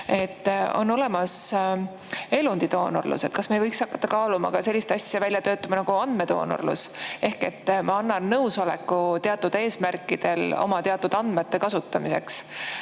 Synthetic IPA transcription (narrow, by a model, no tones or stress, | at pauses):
e̞t̪ːo̞̰nːo̞le̞mɑs | e̞lund̪̥id̪o̞ːno̰rlṵse̞t̪̚kɑsmejvɤjksɑkːɑ̥t̪ːɑkɑːlumɑ̰kɑse̞lʲːist̪ɑsʲjɑvælʲjɑt̪ø̞ːt̪ːˑɑmɑnɑɡ̥uɑnd̪̥me̞d̪̥o̞̰ːno̰rlṵse̞hke̞t̪ːmʔɑɑnːɑnːɤwso̞le̞kːˑut̪e̞ɑt̪ːˑud̪̥e̞ːsmærkːˑid̪̥e̞lo̞̰mɑt̪eɑt̪ːˑud̪̥ɑnd̪̥met̪ːe̞kɑsut̪ˑːɑmise̞̰ks